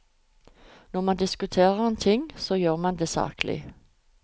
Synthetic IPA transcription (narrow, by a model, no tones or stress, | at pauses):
nɔʁmɑnd̪ɪskʉt̪ʰeːʁəɛnt̪ʰɪŋsoːjøːʁmɑnd̪eːsɑ̰ːklɪ̰